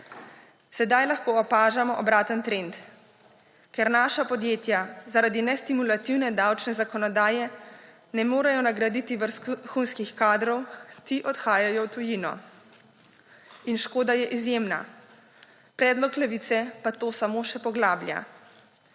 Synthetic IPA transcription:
sɛd̪ajlaxkoːɔpaːʒamɔʔɔbɾaːt̪ənt̪ɾent̪ | kɛɾnaːʃapɔd̪jeːt̪jazaɾad̪inɛst̪imulat̪iwnɛd̪awt͡ʃnɛzakɔnɔd̪aːjɛ | nɛmoːɾajɔnaɡɾad̪it̪iʋəɾsxunskixkaːd̪ɾɔwt̪iʔɔt̪xaːjajɔwt̪ujinɔ̰ | inʃkoːd̪ajɛʔizjeːmna̰ | pɾɛːd̪lɔklɛʋit̪sɛpat̪oːsamoːʃɛpɔɡlaːblʲja̰

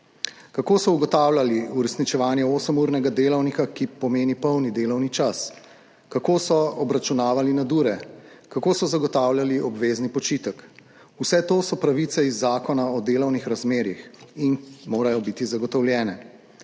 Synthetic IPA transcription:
kakoːsɔuɡɔt̪aːwljaliuɾɛsnit͡ʃɛʋaːnjɛoːsəmuɾnɛɡad̪eːlɔwnikakipɔmeːnipəwnid̪eːlɔwnit͡ʃas | kakoːsɔɔbɾat͡ʃunaːʋalinad̪uːɾɛkakoːsɔzaɡɔt̪aːwljaliʔɔbʋeːznipɔt͡ʃiːt̪ək | usɛt̪oːsɔpɾaʋit̪sɛizːaːkɔnaɔd̪eːlɔwnixɾazmeːɾixinmoːɾajɔbit̪izaɡɔt̪ɔwlʲjɛːnɛ

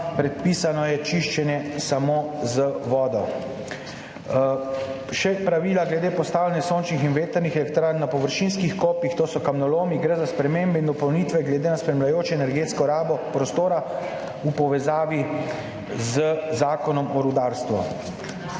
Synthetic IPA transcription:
pɾɛt̪̚piːsanɔjɛt͡ʃiʃt͡ʃɛnjɛsamoːzəʋɔːd̪ɔ | ʃɛpɾaʋiːlaɡlɛd̪eːpɔst̪aːwlɛnjɛsoːnt͡ʃnixinʋeːt̪əɾnixɛlɛkt̪ɾaːnːapɔʋəɾʃinskixkoːpjixt̪oːsɔkamnɔloːmiɡɾezaspɾɛmeːmbɛind̪ɔpɔwniːt̪ʋɛɡlɛd̪eːnaspɾɛmlajoːt͡ʃɛɛnɛɾɡeːt̪skɔɾaːbɔpɾɔst̪oːɾa | upɔʋɛzaːʋi | zəzaːkɔnɔmɔɾud̪aːɾst̪ʋɔ̰

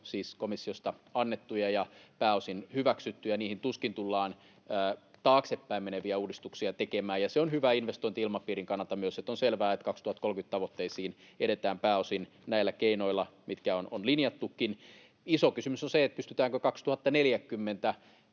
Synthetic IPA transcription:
siːskomisːiost̪ɑɑnːet̪ːujɑjɑpæːosinhyʋæksyt̪ːyjɑniːhint̪uskint̪ulːɑːn | əːt̪ɑːksepːæimmeneʋiæuːdist̪uksiɑt̪ekemæːjɑseonhyʋæinʋest̪oint̪iilmɑpiːriŋkɑnːɑlt̪ɑmyøset̪ːonselʋæːet̪kɑkst̪uhɑt̪kolkyt̪t̪ɑʋot̪ːeisiːn | eɾet̪æːmpæːosin | næilːækeinoilːˑɑmit̪kæononlinjɑt̪ːukːin | isokysymysonseet̪̚pyst̪yt̪æːŋkøkɑkst̪uhɑt̪ːɑneljækːymːent̪æ

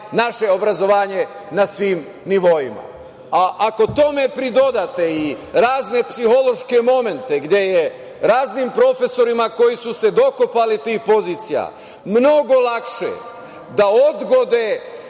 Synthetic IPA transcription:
naʃe̞o̞bɾazo̞ʋaːɲe̞nasʋiːm | niʋo̞jima̰ | aʔako̞t̪o̞me̞pɾid̪o̞d̪at̪e̞iɾaːzne̞psiho̞lo̞ʃke̞mo̞me̞nt̪eɡd̪je̞je | ɾaːznimpɾo̞fe̞so̞ɾimako̞jisuse̞d̪o̞kopalit̪iːxpo̞ziːt̪sija̰ | mno̞ɡo̞lˠakʃḛ | d̪ao̞d̪ɡo̞d̪e

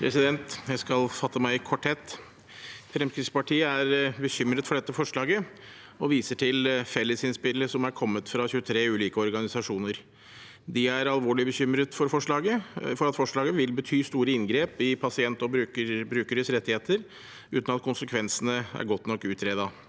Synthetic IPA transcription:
pʰɾɛsɪd̪ɛnt̪jæɪskɑlfɑt̪ːəmæɪkʰɔʈhɛt̪ː | fɾɛmskɾɪt̪spɑʈʰiːəæɾbəçʏmɾət̪fɔɖɛt̪ːəfɔʂɭɑːɡə | ɔʋiːsəʈʰɪlfɛlːəsɪnspɪlːəʂɔmæɾkʰɔmːət̪fɾɑçʉət̪ʰɾeːʉːliːkəɔɾɡɑnɪsɑʂuːnəɾ | d̪ɪæɾɑlʋoːɭɪbəçʏmɾət̪fɔɾfɔʂɭɑːɡəfɔɾɑt̪fɔʂɭɑːɡəʋɪlbət̪ʰyːst̪uːɾəɪnɡɾeːpɪpʰɑsɪɛnt̪ɔbɾʉbɾʉːkəɾəsɾɛt̪ːɪheːt̪ʰəɾ | ʉːt̪nɑt̪̚kʰʊnsəkʰʋɛnsənəæ̰ɾɡɔt̪nɔkːʉːt̪ʰɾeːd̪ɑ

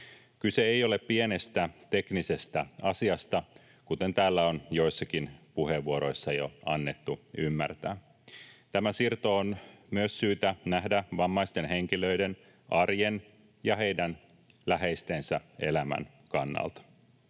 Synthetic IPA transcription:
kyseejo̞le̞ppie̞ne̞st̪æt̪e̞knise̞st̪æɑsiɑst̪ɑ | kut̪e̞nt̪æːlːæonjo̞jsːɑkinpuhe̞ʋʋuoɾo̞jsːɑjo̞̰ɑnːe̞t̪ːuymːæ̰rt̪æ̰ː | t̪æmæsirt̪oonmyøsːyːt̪ænæhdæʋɑmːɑjst̪e̞nɦe̞ŋk̟ilø̞iden | ʔɑrjen | jɑɦe̞jdæn | læɦe̞jst̪e̞nsæe̞̰læmæ̰n | kɑnːɑ̰lt̪ɑ̥

